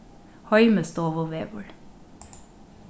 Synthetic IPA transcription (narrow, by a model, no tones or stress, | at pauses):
hɑʏməst̪oːʋoʋeːbɔɭ